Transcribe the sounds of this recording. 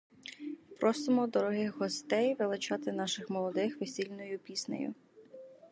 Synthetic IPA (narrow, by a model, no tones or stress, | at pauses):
pɾʔɔsɪmɔd̪ɔɾɔɦɪɦɔst̪ɛjʋɪlˠɪt͡ʃɑt̪ɪn̪ɑʃɪxmɔlˠɔd̪ɪxʋesʲilʲnɔjʊpʲisʲnḛjʊ̰